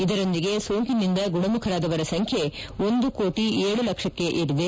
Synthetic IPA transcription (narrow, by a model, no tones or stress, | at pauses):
id̪ɐɾo̞nd̪iɡe̞soːŋkinind̪ɐɡuɳɐmukʰɐɾaːd̪ɐʋɐɾɐsɐŋkʰjeo̞nd̪ukoːʈieːɭulɐkʂɐkːe̞ʔiɾuʋe